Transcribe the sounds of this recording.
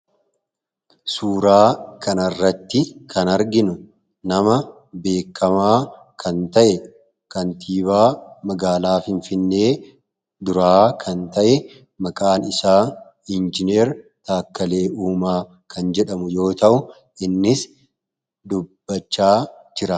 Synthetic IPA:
suːɾaːkʰɐnɐrːɐt̪ːɪkʰɐnɐɾɡɪnʊ | nɐmɐ | be̞ːkʰːɐmaː | kʰɐnt̪ɐʔɛ | kɐnt̪ʰiːβaːmɐɡaːlaːfɪɱfɪnːe̞ː | d̪ʊɾaːkʰɐnt̪ɐʔɛ | mɐkʼaːnɪsaː | ɪnd͡ʒɪneːɾt̪aːkːɐle̞ːʔuːmaː | kʰɐnd͡ʒɛᶑɐmʊjo̞ːt̪ɐʔʊ | ɪnːɪs | d̪ʊb̥ːɐt͡ʃːaː | d͡ʒɪɾɐ

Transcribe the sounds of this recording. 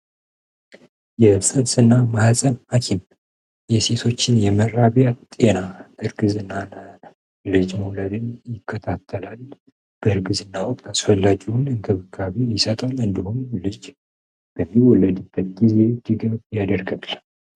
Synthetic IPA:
jɛsɨnsɨnːamahzʼənmakʰin | jɛse̞t̪ʰo̞t͡ʃːɪnjɛməɾːaβjat̪ʼe̞naɨɾɡɨzɨnːan | lɨd͡ʒmuwləd̪ɨnjɪkʰːət̪ʰat̪ʰːəlal | b̥əɾɡɨzɨnːawɔkʼt̪ʰasfəlːad͡ʒinɨŋkʰɨβɨkʰːaβejɪsət̪ʼalɨnd̪əhunlɨd͡ʒ | b̥əmːiwɔlːəd̪ɨbːət̪̚ɡize̞d̪ɨɡəβjad̪əɾɡəl

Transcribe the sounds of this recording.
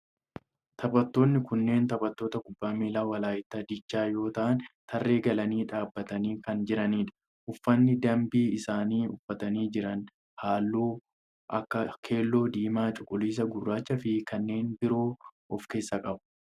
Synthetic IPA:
t̪ʰɐbɐt̪ːo̞ːnːɪkʊnːe̞ːnt̪ɐbɐt̪ːo̞ːt̪ɐkʊbːaːmiːlaːwɐlaːjɪt̪ːɐd̪ɪt͡ʃːaːjo̞ːt̪ɐʔɐnt̪ʰɐrːe̞ːɡɐlɐniːᶑaːbːɐt̪ɐniːkɐnd͡ʒɪɾɐniːᶑɐ̥ | ʔʊfːɐnːɪd̪ɐmbiːɪsaːniːʊfːɐt̪ɐniːd͡ʒɪɾɐn | haːlːuː | ʔɐkːɐkʰe̞ːlːo̞ːd̪iːmaːt͡ʃʼʊ̥kʼːʊliːs̬ɐɡʊrːaːt͡ʃːɐfɪkɐnːe̞ːnbɪɾo̞ːʔɔfke̞ːsːɐkʼɐbʊ̥

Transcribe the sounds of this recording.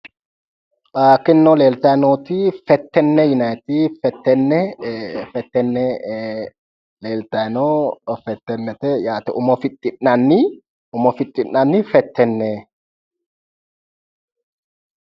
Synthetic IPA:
ʔaːkːɪnːoleːlt̪ɐnot̪ɪfɛt̪ːɛnːɛjʊnajt̪iːfɛt̪ːɛnːɛfɛt̪ːɛnːɛ | leːlt̪ɐnofɛt̪ːɛnːɛt̪ɛjaːt̪ɛʔʊmɔfɪt̪ʼːɪnːɐnːɪ | ʊmɔfɪt̪ʼːɪnːɐnːɪfɛt̪ʰːɛnːɛ

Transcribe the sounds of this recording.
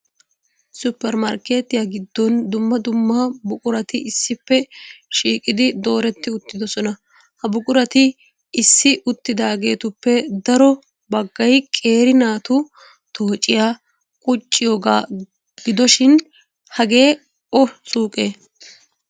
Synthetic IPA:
sʊpːɛɾmɐɾke̞ːt̪ːɪjaɡɪd̪ːɔnd̪ʊmːɐd̪ʊmːɐbʊkʼʊɾɐt̪ɪʔɪsːɪpːɛʃiːkʼɪd̪ɪd̪o̞ːɾɛt̪ːɪʊt̪ːɪd̪ɔsɔnɐ | hɐbʊkʼʊɾɐt̪ɪ | ɪsːɪʔʊt̪ːɪd̪aːɡe̞ːt̪ʊpːɛd̪ɐɾɔ | bɐɡːɐjkʼe̞ːɾɪnaːt̪ʊ | t̪ʰo̞ːt͡ʃʼːɪjaː | kʼʊt͡ʃʼːɪjo̞ːɡaː | ɡ̥ɪd̪ɔʃɪn | hɐɡe̞ː | ɔsʼuːkʼeː

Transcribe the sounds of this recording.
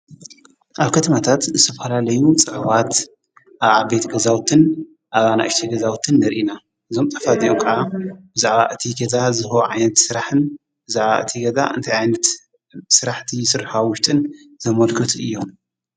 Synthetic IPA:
ʔaβkʰɐt̪ʰɐmat̪ʰat̪zɨt̪ʰɐfɐlalɐjut͡sʼɨʕβat̪ | ʔaβaβbet̪ʰɡɐzawt̪ʰɨn | ʔaβana̰ʔɨʃt̪ʰiɡɐzawt̪ʰɨnːɐɾʔina | ʔɨzo̞mt̪ʼɐ̥fad̪ʼiomkʰɨʕabɨzaʕβa̰ʔɨt̪ʰiɡɐzazɨhoʕajnɐt̪sɨɾaħɨn | bɨzaʕβa̰ʔɨ̰t̪ʰiɡɐza̰ʔɨ̰nt̪ʰajʕajnɐt̪ | sɨɾaħt̪ʰisɨɾħawʊʃt̪ʼɨn | zɐmɐlkʰɨt̪ʰuʔɨjːo̞m

